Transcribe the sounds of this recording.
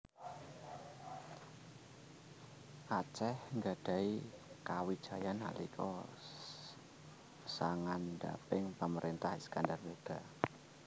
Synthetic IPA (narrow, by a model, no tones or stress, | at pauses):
ʔat͡ʃɛhŋɡad̥a̤ikawid̥ʒ̥a̤jana̰lḭkʰɔ | saŋanda̰pɪŋpəməɾʔint̪ahskandarmed̥a̤